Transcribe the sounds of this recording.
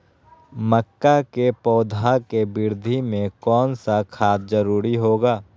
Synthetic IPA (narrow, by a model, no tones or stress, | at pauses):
məkːakepɔːd̪ʱakebɪɾd̪ʱimẽkɔːnsakʰaːt̪̚d͡ʒəɾuːɾiɦoːɡaː